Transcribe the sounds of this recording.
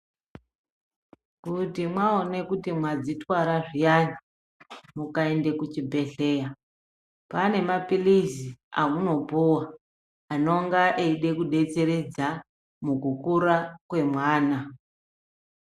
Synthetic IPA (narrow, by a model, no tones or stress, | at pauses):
kutimwaone̞kutimwad͡zitwaɾaʐijana | mukae̞nde̞kut͡ʃibʱe̞ɬe̞ːja | pane̞mapilizia̰muno̞puwaː | no̞ŋɡaʔeiɗe̞kuɗe̞t͡se̞ɾe̞d͡za | mukukuɾakwe̞mwaːna